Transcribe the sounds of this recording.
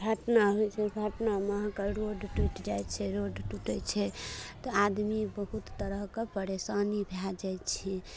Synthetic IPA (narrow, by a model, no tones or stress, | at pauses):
ɡʱəʈnaɦojt͡ʃʰɛbʱəʈnaməɦkəɾoɖʈuʈd͡ʒajt͡ʃʰɛɾoɖʈuʈɛt͡ʃʰɛt̪ɔad̪mibəɦut̪ːəɾəɦkepəɾesanibʱjad͡ʒajt͡ʃʰɛ